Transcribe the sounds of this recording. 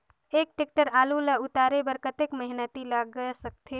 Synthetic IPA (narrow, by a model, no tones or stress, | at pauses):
eːk̚ʈek̚ʈəɾaːluləʊt̪aːɾebəɾkət̪ekməɦɪnət̪ilaɡəsək̚t̪ʰe